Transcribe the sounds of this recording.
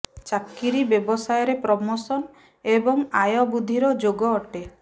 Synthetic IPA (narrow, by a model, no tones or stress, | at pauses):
t͡ʃakːiɾibjɔbɔsajɔɾepɾɔmosɔn | ebɔŋajɔbud̪ʱiɾɔd͡ʒoɡɔːʈe